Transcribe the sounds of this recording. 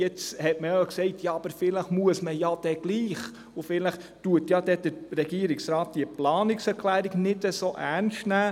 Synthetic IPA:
jɛt͡shɛtməjɑksɛɪtʰjɑɑb̥əɾfɪləχmuəsməjɑd̥ɛɡ̥liːχ | ʊfɪləχ | tuətjɑdɛd̥əɾɾɛɡ̥iəɾiksɾɑːt̚d̥iəplɑːnɪksɛɾkʰlæːɾiɡnɪdəsoːʔæɾnstnæː

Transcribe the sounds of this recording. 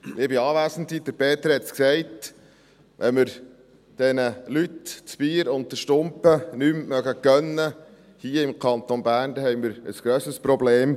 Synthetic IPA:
ʔɪbiɑːʋæːsən̩t̪id̪̥əɾpʰeːt̪əɾhɛt̪sksɛɪt | ʋʔɛnmɪɾ | d̥ɛnəlytt͡sb̥iːəɾʊnt̚t̪əʃtʊmpənymmœɡəkœnːə | hiːəɪmkʰɑnt̪onbæːɾnd̪ɛhɛɪmɪɾəsɡ̥ɾøːsəspɾobleːm

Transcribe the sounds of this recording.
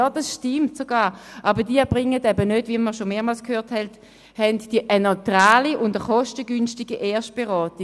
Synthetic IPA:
oːd̥ɑsʃtɪmtsoɡaːʁʔɑbədiəb̥ʁɪŋːətɛbənøtviməʃomeːɐmɑlskhøːɐthɛlt | hɛntd̥iʔənɔtʁaːliʊndəχɔʃtəɡynstiɡiʔeːɐʃt̚b̥ɛʁɔːti

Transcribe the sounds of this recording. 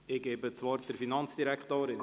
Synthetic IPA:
ɪɡɛːbət͡svɑːɾd̥əɾfinɑnt͡sd̥iɾɛkχt̪oːɾɪ

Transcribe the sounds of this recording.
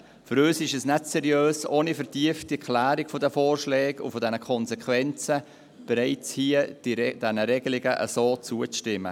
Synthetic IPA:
fʏɾøːsɪʃɛsnɛtsɛɾjøːsoːnifəɾtiəftikʰlæːɾɪkfodəfoːrʃlɛːɡʊ̰fodɛnəkʰɔnsɛkʰwɛnt͡sə | b̥ɛɾaɪt͡shiəd̥id̥ɛnəɾɛɡ̥əlɪɡəʔə̰soːt͡suːət͡sʃtɪmːə̰

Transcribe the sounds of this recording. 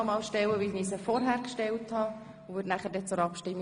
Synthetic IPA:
mɑːlʃtɛwəʋiniːsəfɔɾɦæːɾkʃtɛlthɑ | ʊvʏːdnæχəɾdɛt͡sʊɾɑpʃtɪmː

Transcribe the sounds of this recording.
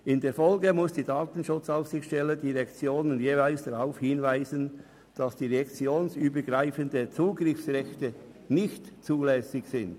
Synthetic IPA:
ɪndeːɐfɔlɡəmʊsd̥iːdaːtn̩ʃʊt͡saʊfsɪçʃtɛlədiːʁɛkt͡sjoːnənjeːvaɪlsd̥aʁaʊfhɪnvaɪzən | d̥ɑsd̥iːʁɛkt͡sjoːnsyːbəɡʁaɪfəndət͡suːɡʁɪfsʁɛçtə | nɪçtt͡suːlɛːsɪçsɪnd̥

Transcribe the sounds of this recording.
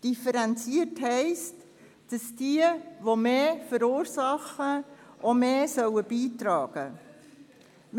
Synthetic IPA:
d̥ifəɾɛnt͡siəthɛɪst | d̥ɑsd̥iəʋomeːfəɾuːɾsɑχəʔomeːsœwəb̥iːtɾɑːɡ̥ə | m

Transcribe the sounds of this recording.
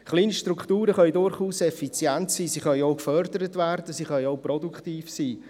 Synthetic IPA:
χliːniʃtrukχtuːɾəχœʏdʊɾχuːsɛfit͡sjɛntsiːsiːχœjoʊkfœɾdəɾətvæɾd̥əsiːχœjoʊprɔduktiːfsiː

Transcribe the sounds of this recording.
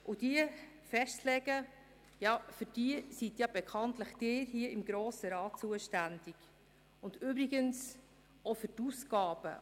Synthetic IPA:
ʔud̥iə | fɛʃtlɛɡ̥ə | jɑfyɾd̥iəsitjɑb̥ɛkʰɑntləχd̥ɪːɾɦiəɪmɡɾoːsəɾɑːtt͡suəʃtænd̥iɡ̥ | ʊndybɾiɡəns | ofʏɾtusɡɑːb̥ə̰

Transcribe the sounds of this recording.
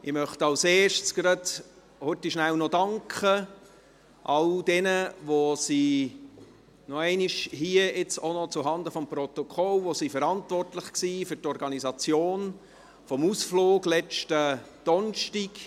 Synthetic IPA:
ɪmœχtɑlseːʃtsɡ̥ɾɑd | høtːiʃnæwnɔdɑŋkχə | ʔɑld̥ɛnəʋosi | nɔɛɪniʃhiəʔɪt͡sonɔt͡suɦɑnd̪əfɔmprɔt̪ɔkʰɔlʋosifɛɾɑntvɔrtlɪχksiːfʏɾtɔɾɡɑnizɑt͡sjoːn | fɔmusfloːɡlɛt͡ʃtəd̥ɔnʃtiɡ

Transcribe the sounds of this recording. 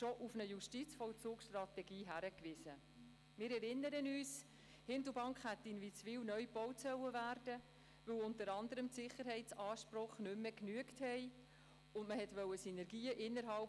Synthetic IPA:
ʃɔʔufnəjuʃtit͡sfɔwt͡suːksʃtrɑtɛɡiːɦæɾəkvɪsə | mɪːɾɛɾɪnːəɾənyːs | hɪndəbɑŋkχhætːinvit͡sfiːwnœʏb̥ɔwtsœwəvæːɾd̥ə | vɵwʊntəɾɑndəɾəmtsɪχəɾɦɛɪtt͡sɑːʃpɾɔχnʏmːəknyəkthɛɪ | ʊndməhɛtʋœwəsinɛɾɡiːəʔɪnːəɾɦɑlp

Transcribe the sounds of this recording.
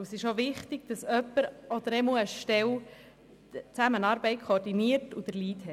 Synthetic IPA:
əsɪʃoʋɪχt̪ɪɡ̥̚d̥̪ɑsœpːəɾɔd̪əɾɛmuəʃtɛw | t͡sæmənɑːɾbɛɪtkʰoːɾdiniəɾtud̥̪əɾliːt̪hɛ

